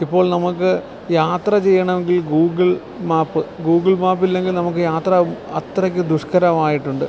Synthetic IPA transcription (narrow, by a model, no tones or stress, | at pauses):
ipːo̞ːɭnɐmukːɨ | jaːt̪rɐt͡ɕe̞jːɐɳɐme̞ŋɡilɡuːɡɐɭ | maːpːɨɡuːɡiɭmaːp̬ːilːe̞ŋɡilnɐmuk̬ːɨjaːt̪rɐɐt̪rɐk̬ʲːɨd̪uʂkɐɾɐmaːjiʈːuɳɖɨ